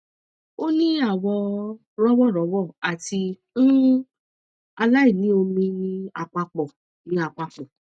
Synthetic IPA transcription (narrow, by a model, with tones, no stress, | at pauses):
o˦nĩ˦a˦˨wɔ˧ | ɾɔ˦wɔ˦˨ɾɔ˨˦wɔ˦˨a˨ti˧˦ | a˧la˦i˦˨nĩ˨˦o˧mĩ˧a˧k͡pa˧k͡pɔ˨ | nĩ˨˦a˧k͡pa˧k͡pɔ˨